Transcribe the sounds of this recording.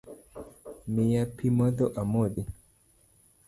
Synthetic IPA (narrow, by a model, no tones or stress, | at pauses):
mijapimɔdɔʔamodi